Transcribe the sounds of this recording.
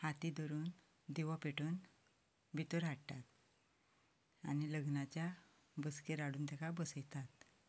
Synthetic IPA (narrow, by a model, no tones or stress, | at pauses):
hat̪id̪ɔɾuːn | d̪eʋɔpeʈʰuːn | bʱit̪əɾaɽt̪at̪̚ | a̰niləɡnat͡ɕja | bəskeɾaɽuːnt̪akabəsəjt̪at̪